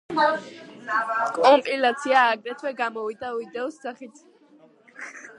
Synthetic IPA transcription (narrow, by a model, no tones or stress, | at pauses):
kʼɔmpʼilat̪sʰiaːɡɾɛt̪ʰwɛɡamɔvid̪auid̪ɛɔsːaχit̪ʰ